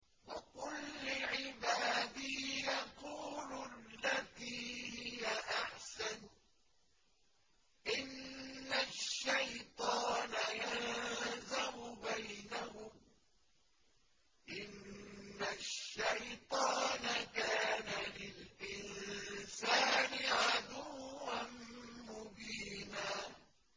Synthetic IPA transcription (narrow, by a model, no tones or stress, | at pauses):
wakʊlːʊʕɪbaːd̪iːjɑquːlʊlːaðiːhɪjaʔaħsan | ʔɪnːaʃːajt̪ˤɑːnajalzamʊbajnahʊm | ʔɪnːaʃːajt̪ˤɑːnakaːnalɪlʔɪnsaːnɪʕad̪uwːanmʊbiːnaː